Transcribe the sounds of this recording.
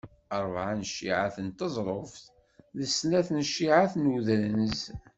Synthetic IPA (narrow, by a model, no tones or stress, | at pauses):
əɾˤvʕanʃːḭʕaθənt̪əzˤɾˤofθ | ðəsnæθnʃːiʕaθnuðɾnəz